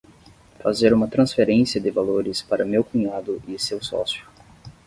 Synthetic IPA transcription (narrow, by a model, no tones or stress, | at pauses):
fazeɾũmɐt̪ɾɐ̃sfeɾẽsiɐd̪ɪvaloɾɪspaɾɐmewkuɲad̪ʊʔɪsewsɔ̰sjʊ